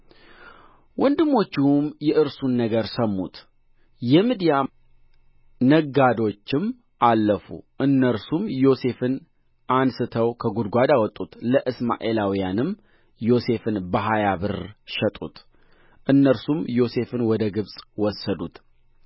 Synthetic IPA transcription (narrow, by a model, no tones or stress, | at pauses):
wɔnd̪ɨmːo̞t͡ʃːɪwumjɛʔɨɾsunːəɡəɾsəmːṵt̪ | jɛmid̪ija | nəɡad̪o̞t͡ʃːɪm | ʔalːəfṵʔɨnːəɾsumjo̞se̞fɨn | ansɨt̪ʰəwkʰəɡud̪ɡʷad̪awɔt̪ʼːut̪ləʔɨsma̰ʔe̞lawijanɨm | jo̞se̞fɨnbəɦajaβɨɾʃɛt̪ʼṵt̪ | ʔɨnːəɾsumjo̞se̞fɨnwɔd̪əɡɨβsʼwɔsːəd̪ut̪